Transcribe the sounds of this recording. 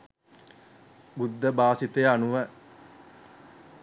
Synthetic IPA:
bud̪ːəbaːsit̪eanuʋə

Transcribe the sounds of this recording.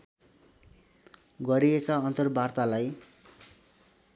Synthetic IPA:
ɡʌɾiekaʌnt̪ʌrbart̪alaj

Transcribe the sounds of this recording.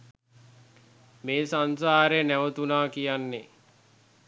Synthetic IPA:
meːsans̬aːɾenæʋət̪unaːkijanːe

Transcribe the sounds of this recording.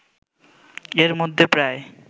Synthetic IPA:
eɾmod̪ʱːepɾaj

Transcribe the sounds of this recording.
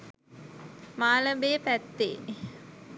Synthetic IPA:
maːləbeːpæt̪ːḛː

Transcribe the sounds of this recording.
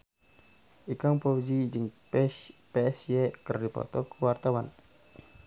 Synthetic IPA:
ikaŋpɔwid͡ʒid͡ʒəŋ | pɛɛsjɛkərdipɔ̰t̪ɔkəwart̪awan

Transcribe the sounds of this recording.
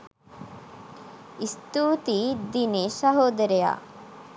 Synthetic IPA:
ist̪uːt̪id̪inesɐɦoːd̪ɐɾeja̰

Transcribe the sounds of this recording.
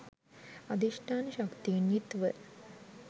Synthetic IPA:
ad̪iʂʈaːnəʃakt̪injit̪ʋə

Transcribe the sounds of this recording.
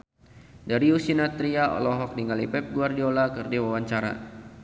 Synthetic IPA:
daɾiusinat̪ɾiaɔ̰lɔɦɔk̚diŋalipɛp̚ɡuardiɔlakɨrdiwawaɲt͡ʃaɾa̰

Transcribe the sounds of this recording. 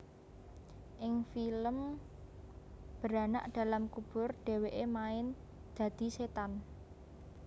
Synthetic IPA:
ʔɪŋfiləm | b̥əɾana̰ʔd̪̥a̤lamkub̥ʊ̤rɖ̥e̤weʔemaɪn | d̪̥ä̤d̪̥i̤set̪an

